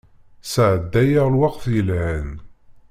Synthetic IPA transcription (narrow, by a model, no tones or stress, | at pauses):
sʕəd̪ːæjaʁlwɑqθjəlhæn